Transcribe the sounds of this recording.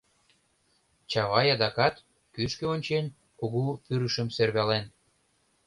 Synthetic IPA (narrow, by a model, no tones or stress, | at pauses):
t͡ɕɑβɑjɑd̪ɑkɑt̪ | kyʃkeonʲt͡ɕen | koɣufyɾəʃə̆mserβɑlen